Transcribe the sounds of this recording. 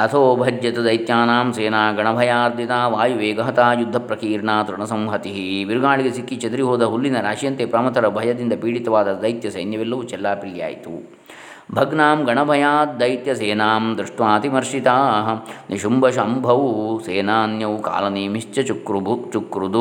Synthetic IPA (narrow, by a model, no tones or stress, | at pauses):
ɐt̪ʰoːbʱɐd͡ʒjɐt̪ɐd̪ɐjt̪jaːnaːmseːnaːɡɐɳɐbʱɐjaːɾd̪ʱjit̪aːʋaːjuʋeːɡɐɦɐt̪aːjud̪ʱːɐpɾɐkiːɾɳaːt̪ɾuɳɐsɐmɦɐt̪iɦiʋiɾuɡaːɭiɡesikːit͡ʃɐd̪ɾiɦoːd̪ɐɦulːinɐɾaːʂijɐnt̪eːpɾɐmɐt̪ɐɾɐbʱɐjɐd̪ind̪ɐpiːɽit̪ɐʋaːd̪ɐd̪ɐjt̪jɐsɐ̰jnjɐʋɛlːɐʋut͡ʃɛlːaːpɾiːja̰ːjḭt̪ṵ | bʱɐɡnaːmɡɐɳɐbʱɐjaːt̪̚d̪ɐjt̪jɐseːnaːmd̪ɾiʂʈʋaːt̪imɐɾʂit̪aːniʃumbɐʃɐmbʱɐʋseːnaːnjɐʋka̰ːlɐneːmiʂt͡ʃɐt͡ʃukɾubʱut͡ʃukɾud̪u